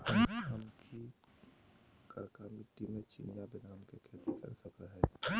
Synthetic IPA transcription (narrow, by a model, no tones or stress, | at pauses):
hɐmɦɐmkʰi | kəɾkamiʈːimẽt͡ʃḭnijabɪnaːmkekʰɛːt̪ʰikɐ̰ɾsəkəɦɛː